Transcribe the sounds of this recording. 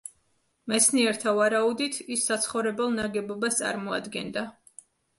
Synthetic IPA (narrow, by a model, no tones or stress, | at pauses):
mɛsʰniɛɾt̪ʰavaɾaud̪it̪ʰisːat̪sʰχɔvɾɛbɛlˠnaɡɛbɔbast̪sʼa̰ɾmɔa̰d̪ɡɛnd̪a